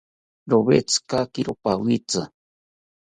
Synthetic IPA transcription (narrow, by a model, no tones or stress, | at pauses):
ɾoβḛt͡sɨ̥kakiɾopawit͡sɨ